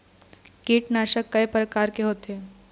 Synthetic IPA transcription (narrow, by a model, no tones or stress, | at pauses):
kiːʈnaːʃəkːɐepɾəkaːɾkeɦoːt̪eː